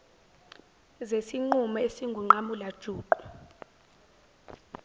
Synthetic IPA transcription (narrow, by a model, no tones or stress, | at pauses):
zesiŋ͡ǃumɔesiŋɡʱuŋ͡ǃamulad̥ʒ̥ʱuːǃu̥